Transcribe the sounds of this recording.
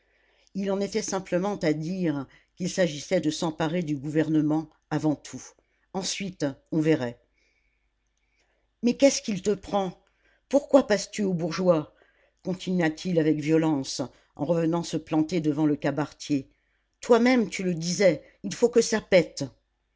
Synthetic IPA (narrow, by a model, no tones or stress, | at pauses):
ilɑ̃net̪ɛsɛ̃pləmɑ̃t̪ad̪iʁ | kʲilsaʒisɛd̪əsɑ̃paʁed̪yɡuvɛʁnəmɑ̃ | avɑ̃t̪ʰu | ɑ̃sɥit̪ɔ̃vɛʁɛ | mɛkʲɛskʲilt̪əpχɑ̃ | puʁkwapast̪yobuʁʒwa | kɔ̃t̪ʰinɥat̪ʰilavɛkvjɔlɑ̃s | ɑ̰̃ʁəvənɑ̃səplɑ̃t̪ed̪əvɑ̃ləkabaʁt̪je | t̪wamɛmt̪yləd̪izɛ | ilfokəsapɛt̪